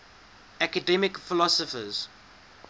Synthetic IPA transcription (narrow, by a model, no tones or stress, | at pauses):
ækədɛmɪkfɪlɔsɔfə̰z̥